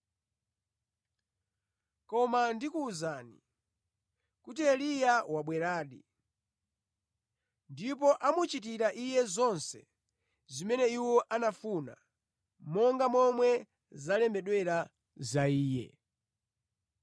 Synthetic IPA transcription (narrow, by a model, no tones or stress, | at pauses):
kɔmandikuːzaːnḭ | kutiɛlijawaɓwɛɾaːɗi | ndipɔʔamut͡ʃit̬iɾaʔijɛzɔnsɛ̰ | zimɛnɛiwɔʔanafuna̰ | mɔŋɡamɔmwɛ | zalɛmbɛɗwɛɾa | zaiːjɛ̰